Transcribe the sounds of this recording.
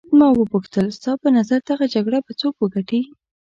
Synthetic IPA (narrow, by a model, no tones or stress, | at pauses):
mɑwəbuxt̪əlst̪ɑpənazaɾd̪aɣad͡ʒaɡɽabat͡sokwəɡaʈi